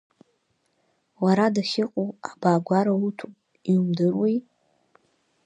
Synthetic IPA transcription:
waɾadaʃɪqʼuabaːɡʷaɾautʰu | iumdɨrwij

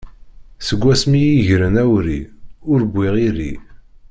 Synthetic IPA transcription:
səɡʷːæsmijiʝɾənæwɾiʊɾɡʷiʁiɾḭ

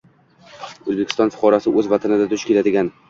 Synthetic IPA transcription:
ɵzbekʲɪ̥st̪ɒnfʊ̥qʰɒɾasɪʔɵzvat̪ʰanɪd̪ad̪ʊʃkʲe̞lad̪ɪɡʲan

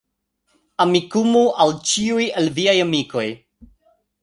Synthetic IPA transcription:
amikumuʔawt͡ʃiujelviajamiko̞j

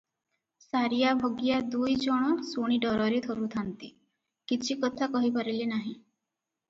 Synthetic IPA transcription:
saɾijabʱoɡijad̪ujd͡ʒɔɽ̃ɔsuɽ̃iɖɔɾɔɾit̪ʰɔɾut̪ʰant̪i | kit͡ʃʰikɔt̪ʰakɔɦipaɾilinaɦĩ

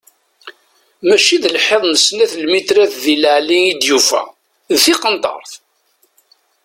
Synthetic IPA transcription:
mæʃiðəlħeðˤnəsnæθlmit̪ɾæθðiləʕliid̪jufæ̰ | ðθiqənt̪ˤɑ̰ɾˤθ

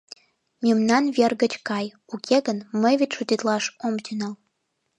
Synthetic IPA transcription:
mʲimnɑnβʲerɣət͡ɕkɑj | ukʲʰeɣənməjβet̪ʲʃut̪it̪lɑʃomt̪ynɑl

